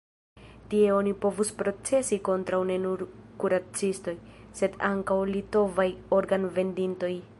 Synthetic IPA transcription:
tie̞o̞nipo̞vuspɾo̞t͡se̞siko̞ntɾawne̞nuɾkuɾat͡sisto̞j | se̞daŋkawlito̞vajo̞ɾɡanve̞ndinto̞j

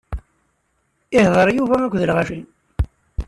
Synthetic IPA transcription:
ɪhðˤəɾˤjuvæækʷðəlʁæʃin

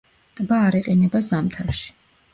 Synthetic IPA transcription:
t̪ʼbaːɾiqʼinɛbazamt̪ʰaɾʃi̥

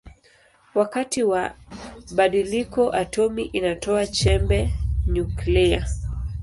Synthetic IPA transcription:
wakatiwa | ɓaɗilikɔʔatɔmiʔinatɔat͡ʃɛmbɛɲuklia

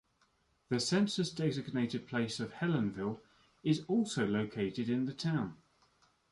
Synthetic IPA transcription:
ðəsɛ̃nsəsdɛɡzɪɡneɪtɪd̚pʰl̥eɪsəv̥hɛlə̃nvɪlˠ | ɪzɔˑlˠsəʊləʊkʰeɪtɪdɪ̃nðətʰãʊ̃n

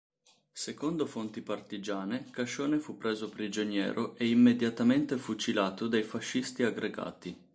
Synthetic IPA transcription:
sekond̪ofont̪ipart̪id͡ʒaːnekaʃoːnefupːɾeːzopɾid͡ʒonjɛ̰ːɾʔoʔeimːed̪jat̪ament̪efut͡ʃilaːt̪od̪ajfaʃːist̪iaɡɾʔeɡa̰ːt̪i

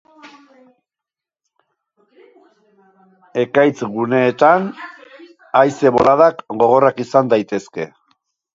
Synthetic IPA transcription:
e̞kajt͡sɣune̞ːt̪an | ajse̞βolaðakɡo̞ɣ̞o̞rakisand̪ajt̪e̞ske̞̰

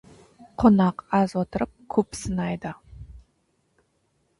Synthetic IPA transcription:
qʰonɑqɑzwot̪əɾəp̚kʲʰɵpsənɑjd̪ə

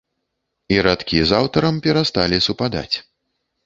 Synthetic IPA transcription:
iɾat̪kʲizawt̪ɐɾɐmpʲɛɾast̪alʲisupad̪a̰t͡sʲ

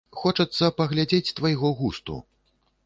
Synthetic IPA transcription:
xɔt͡ʂɐt̪sːɐpɐɣlʲad͡zʲet͡sʲt̪vɐjɣɔɣust̪ṵ

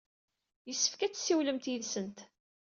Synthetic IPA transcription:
jəsːə̥fkæt͡sːsːiwləmt̪jəðsənt̪

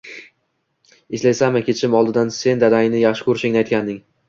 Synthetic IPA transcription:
ɪʃlasamɪkʲʰe̞t͡ʃʰɪmɒlˠd̪ɪd̪anse̞nd̪ad̪aŋnɪjaχʃɪ̥kʰoɾʃɪŋnɪajt̪̚ʲkʲand̪ɪŋ

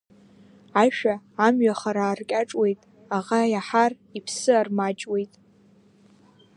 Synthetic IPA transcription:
aʃᶣaːmɥaχaɾaːrkʲʼaʈ͡ʂʼwe̞jtʼ | aʁajaħar | ipʰsɨarmat͡ʃʼwe̞jtʼ

